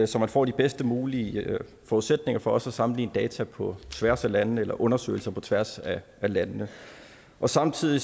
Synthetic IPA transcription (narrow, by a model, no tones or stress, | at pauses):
sɒ̽mænfɒ̰ːd̥ib̥esd̥əmuːli | fɒuðˠsed̥ne̝ŋɐfɒ̽ɒ̽sæsɑ̈mn̩lḭːnəd̥ɛːt͡sʰæpʰɒ̽t͡sʰʋæɐ̰sælænnəelɐʔɔ̽nɐsø̰ːɪl̩sɐpʰɒ̽t͡sʰʋæɐsæʔælænnə | ʔɒ̽sɑ̈mt͡sʰið̰ˠi